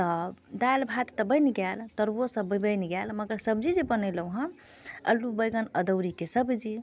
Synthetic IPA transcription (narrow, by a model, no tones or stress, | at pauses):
t̪ɔd̪albʱat̪t̪ɔbəjniɡɛlt̪əɾbosə̃bəbəjnɡɛlməɡəɾsəbʱd͡ʒid͡ʒebənəjluɦə̃ | ə̰lːubəjɡənəd̪əwɾikesəbʱd͡ʒi